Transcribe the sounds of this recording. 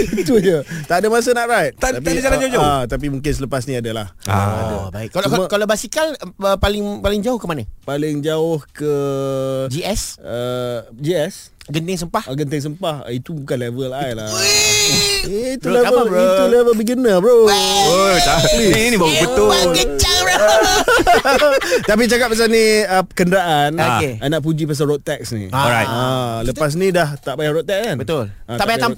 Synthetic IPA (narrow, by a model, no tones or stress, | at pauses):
it̪ud͡ʒət̪adəmas̬ənaʔɾajt̪̚t̪ad̪ap̪adad͡ʒaland͡ʒod͡ʒɔt̪ap̬imũŋkɪns̬ələpas̬niadəla̰ha̰baɪkːalkalabasikaləpalɪŋpalɪŋd͡ʒaʊhkəmanəpalɪŋd͡ʒaʊhkə | d͡ʒiɛsəd͡ʒiɛs | ɡənt̪ɪŋs̬əmpahɡənt̪ɪŋs̬əmpahit̪ubukanlɛvəlajla̰ | eit̪ulɛvət̪ulɛvəlbəɡinəbəɾoot̪alinĩbaupət̪oɡəd͡ʒala | t̪ap̬it͡ʃakap̚ːasaniəpəkəndɾaʔanoeanaʔp̬ud͡ʒipas̬aɾɔt̪ɛksnḭ̃aaləpas̬nidaht̪aʔbajahɾɔɛk̚sanbət̪ʊl | at̪aʔbajat̪a